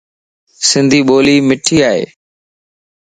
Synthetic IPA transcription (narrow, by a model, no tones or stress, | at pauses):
sɪ̃nd̪ʱiːɓoːliːmɪʈʰiːaːɦḛː